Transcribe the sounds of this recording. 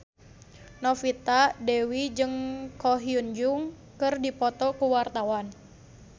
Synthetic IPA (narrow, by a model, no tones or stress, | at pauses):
nɔfit̪adɛwid͡ʒɨŋkɔɦiund͡ʒuŋ | kɨrdipɔt̪ɔkuwart̪awan